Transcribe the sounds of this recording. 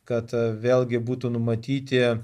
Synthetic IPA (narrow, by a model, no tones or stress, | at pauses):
kɐt̪ʋʲeːlˠʲɡʲɪbuːt̪uːnʊmɐt̪ʲiːt̪ʲɪ